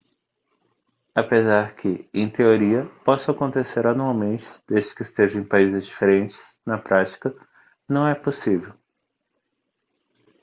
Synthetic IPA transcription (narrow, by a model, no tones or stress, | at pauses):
apezaɾkʰɪẽj̃t̪eoɾiɐpɔsʊakõnt̪eseɾanuawmẽnt͡ʃɪ̥d̪ezd͡ʒɪ̥kɪist̪eʒɐẽj̃paizɪzd͡ʒifeɾẽnt͡ʃɪ̥snɐpɾʔat͡ʃi̥kɐ | nɐ̃w̃ɛposivew